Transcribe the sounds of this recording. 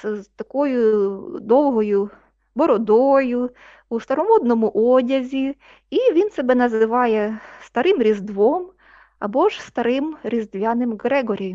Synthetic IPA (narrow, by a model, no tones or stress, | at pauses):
zt̪ɐkɔjʊd̪ɔwɦɔjʊ | bɔɾɔd̪ɔjʊ | ust̪ɐɾɔmɔd̪nɔmʊʔɔdʲɐzʲi | iʋʲinsɛbɛnɐzɪʋɑjɛst̪ɐɾɪmɾʲizd̪ʋɔm | ɐ̰bɔʒst̪ɐɾɪmɾʲizd̪ʋʲɑnɪmɡɾɛɦɔɾʲij